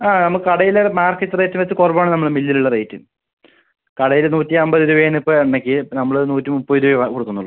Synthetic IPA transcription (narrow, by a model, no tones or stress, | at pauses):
aːnɐmːɐɭɨkɐɽɐjilemaːrkːɐtːɨreːtːimʋet͡ɕːɨkorɐbaːɳɨnɐmːɐɭmilːiluɭːɐreːtːṵm | kɐɽɐjilnuːtːiɐmbɐðuɾuʋeːnipːoeɳːɐkʲːɨnɐmːɐɭɨnuːtːimupːoɾuɐʋɐkoɽukːunːuɭːɐ